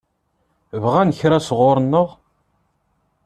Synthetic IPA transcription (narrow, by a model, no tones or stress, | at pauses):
vʁænəçɾæsʁʊɾˤənːəʁ